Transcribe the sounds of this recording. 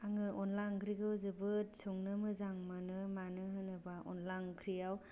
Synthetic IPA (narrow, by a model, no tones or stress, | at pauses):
aŋɯʔɔnlaŋkʰɾiɡɯwzɯbɯtsɔŋnɯmɯzaŋmanɯmanɯhɯnɯbaʔɔ̰nlaŋkʰɾijaw